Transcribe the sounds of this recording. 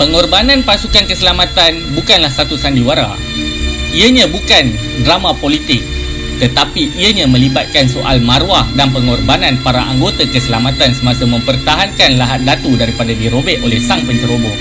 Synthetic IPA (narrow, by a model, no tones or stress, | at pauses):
pəŋɔrbanãnpasukankəsəlamat̪anbukanlahsat̪usandiwaɾa̰ | iəɲãbukan | dɾamãpolit̪ɪk̚ | t̪ət̪apiʔːəɲãmə̃libat̪̚kansoʔa̰lmaɾwahdanpəŋɔrbanãnpaɾaʔaŋɡot̪akəsəlamat̪ansəmasamə̃mpərt̪aɦankanlaɦat̪̚dat̪udaɾipadadiɾobɛʔolɛhsaŋpəɲt͡ʃəɾobo